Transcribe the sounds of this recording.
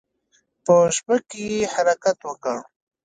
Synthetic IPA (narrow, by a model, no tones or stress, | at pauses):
pəʃbəkejehaɾakat̪wəkəɽ